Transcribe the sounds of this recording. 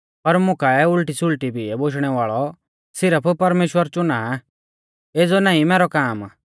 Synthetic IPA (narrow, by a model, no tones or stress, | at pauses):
pɐɾmʊ̃kaɛʊlʈisʊlʈibiɛboʃɽ̃ɛʋaːɭɔ | sɪɾəpʰpɐɾmeːʃwəɾt͡ʃʊnaa | eːd͡zɔnãːĩmɛːɾɔkaːm